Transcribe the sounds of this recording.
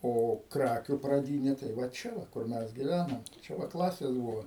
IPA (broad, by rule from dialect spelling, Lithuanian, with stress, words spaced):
ˈoː ˈkrɑːkʲʊ prɐˈdʲiːnʲeː tɐɪ ʋɐ ˈt͡ʃʲɛ ʋɐ kʊr ˈmʲɛs ɡʲɪˈʋʲænɐm ˈt͡ʃʲɛ ʋɐ ˈklˠɑːsʲeːs ˈbʊʋoː